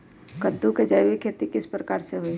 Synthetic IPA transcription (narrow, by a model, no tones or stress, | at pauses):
kəd̪ːuked͡ʒəjwikʰeːt̪ikɪspɾəkaːɾseɦʊi